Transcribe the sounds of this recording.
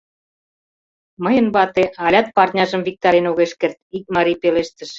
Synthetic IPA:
məjə̆nβɑt̪eɑlʲɑt̪̚pɑrt̪ʲnʲɑʒə̆mvik̚t̪ɑɾenoɣeʃkert̪̚ik̚mɑɾijpeleʃt̪ə̆ʃ

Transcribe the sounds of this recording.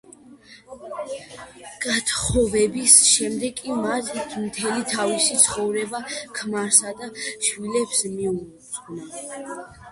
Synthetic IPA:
ɡ̥at̪ʰχɔvɛbisʃɛmd̪ɛɡʼimat̪ʰt̪ʰmt̪ʰɛlit̪ʰavisit̪sʰχɔvɾɛbakʰmaɾsad̪aʃwilɛpsmiu | zʼɡna

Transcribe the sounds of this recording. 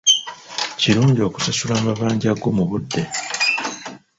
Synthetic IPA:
ciɾuːɲɟio̞ku̥sasulaːmbaβaːɲɟaɡomuβudːe̞

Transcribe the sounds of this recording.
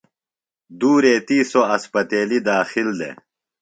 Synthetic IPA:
d̪uːɾeːt̪iːsoɐspɐt̪eːlid̪aːxild̪ḛ

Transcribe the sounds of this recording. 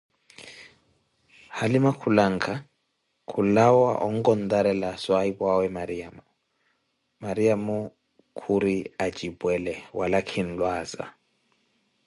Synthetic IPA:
halimakʰulaŋ̩kʰa | kʰulawa̰ʔɔŋ̩kɔnd̪aɾɛlaswaibwawɛmaɾiamu | maɾiamu | kʰuɾiad͡ʒibwɛlɛwalakʰin̩lwaːza̰

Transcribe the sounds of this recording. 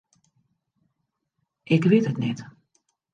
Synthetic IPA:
ʔɪkʋɪtətnɛt

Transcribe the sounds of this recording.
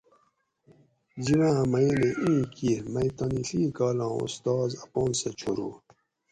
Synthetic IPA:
d͡ʑiwãmɐineʔĩːkiɾmɐit̪ɐniɬiːkaːlãːṵst̪ɑːzɐpoːnset͡ɕʰuɾuː

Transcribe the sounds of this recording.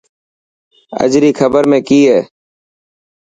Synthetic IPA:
ə̰d͡ʒɾiːkʰəbəɾmẽːkiːɦɛː

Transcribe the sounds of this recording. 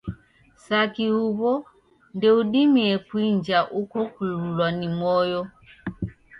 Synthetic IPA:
sakiuβɔ | ndɛuɗimiɛkwiɲd͡ʒaʔukɔkululwanimɔjɔ

